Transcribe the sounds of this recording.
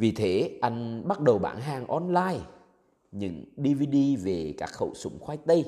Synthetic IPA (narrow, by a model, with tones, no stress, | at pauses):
vi˨˩t̪ʰe˨˦ʔa˧jŋ̟ɓa˦˥t̚ɗə˨˩wɓa̰ː˧˩nɦaː˨˩ŋʔɔ˧nlaː˧j | ɲɨ̰˧˥ŋɗi˧vi˧ɗi˧ve˨˩ka̰ː˦˥k̚xə̰˧˩wsʊ̰˧˦ŋ͡mxwaː˧˦˥jk̚t̪ə˧j